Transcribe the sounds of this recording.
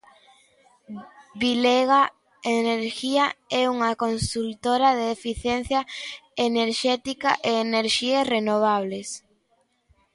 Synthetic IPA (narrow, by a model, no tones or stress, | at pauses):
βileɣa | eneɾʃiaɛuŋakonsult̪oɾaðeːfiθjɛn̟θjaeneɾʃɛt̪ika̰ʔeːneɾʃiesrenoβ̞aβ̞les